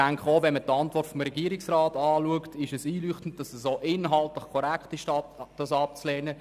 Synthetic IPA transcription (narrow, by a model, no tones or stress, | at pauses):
aŋkχəoːvɛnmətɑntvɔrtfɔmɾɛɡiəɾɪksraːtɑːluəktɪʃɛsiːlyːχtn̩t̚d̥ɑsəsoːʔɪnɦɑltlɪχkʰɔɾɛkχtɪʃɑd̥ɑsɑp̚t͡slɛːnə